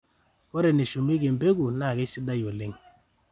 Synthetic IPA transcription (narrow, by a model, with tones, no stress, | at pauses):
wɔ˦ɾe˨ne˨ʃu˨mi˦ɡe˨m˨be˦ɡu˨na˨ɡe˦si˦da˦jo˨le˦ŋ